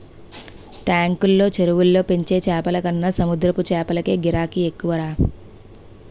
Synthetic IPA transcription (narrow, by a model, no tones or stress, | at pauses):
ʈaːŋkulːo̞ːt͡ʃeɾuʋulːo̞ːpe̞ɲt͡ʃe̞ːt͡ʃɛːpɐlɐkɐnːɐsɐmud̪ɾɐput͡ʃɛːpɐlɐke̞ːɡiɾaːkiekːuʋɐɾaː